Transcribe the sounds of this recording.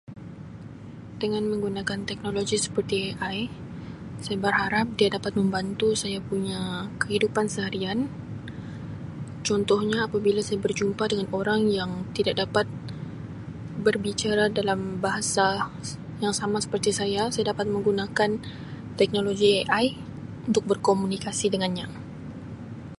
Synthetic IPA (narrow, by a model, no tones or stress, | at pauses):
dəŋanmə̃ŋɡunakant̪ɛk̚noloɡisə̥pərt̪ieʔaj | sajabərɦaɾap̚diadapat̪̚mə̃mbant̪usajapuɲakəɦidupansəɦaɾian | t͡ʃɔnt̪ɔhɲaːpabilasajabərd͡ʒumpadəŋanoɾaŋjaŋt̪idak̚dapat̪̚ | bərbit͡ʃaɾadalambaɦasa | jaŋsamasə̥pərt̪isajasajadapat̪̚mə̃ŋɡunakan | t̪ɛk̚noloɡieʔaj | unt̪ʊk̚bərkomunikasidəŋanɲa